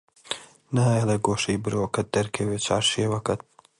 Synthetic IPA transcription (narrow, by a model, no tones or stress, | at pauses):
nɐɦaːjelɐɡoːʃɐjbɨɾowkɐt̪̚d̪ɐɾkʰɐweːt͡ʃʰa̰ːɾʃeːwɐkɐt̪̚